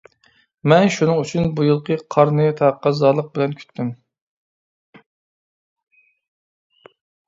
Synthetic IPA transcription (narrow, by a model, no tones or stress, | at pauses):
mɛnʃunɨŋyt͡ʃʰynbujɨlˠqʰəqʰɑɾnɨt̪ʰɑqːɑzɑːlˠəq̚bɪlɛnkʲʰy̥t̪ʰːym